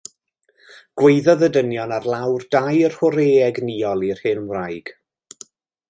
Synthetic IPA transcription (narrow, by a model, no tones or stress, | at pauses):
ɡ̥wejðɔðədənjɔnarlˠawrdajrhɔɾeːɛɡniːɔlˠir̥hɨnmwrajɡ̥